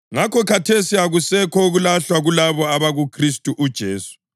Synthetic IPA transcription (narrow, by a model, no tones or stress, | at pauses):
ŋakʰɔkʰatʰesiaɣusɛkʰɔuɣulaɬwaɣulaβɔaβaɣukʰristʼuʔud̥ʒ̥ʱeːsu̥